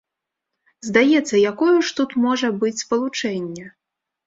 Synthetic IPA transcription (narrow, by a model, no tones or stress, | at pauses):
zd̪ajɛt̪sːɐjakɔjuʂt̪ut̪mɔʐɐbɨt͡sʲspɐlˠut͡ʂɛnʲːɛ